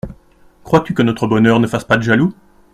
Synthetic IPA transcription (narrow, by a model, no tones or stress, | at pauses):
kχwat̪ykənɔt̪χəbɔnœʁnəfaspad̪əʒalu